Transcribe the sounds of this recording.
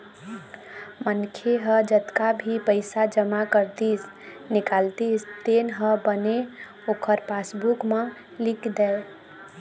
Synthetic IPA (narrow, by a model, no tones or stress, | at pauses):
mənkʰeɦəd͡ʒət̪kabʱipəɪsad͡ʒəmakəɾt̪is | nikalt̪ist̪enɦəbəne | okʰəɾpasbukmə̃ | likd̪ɛe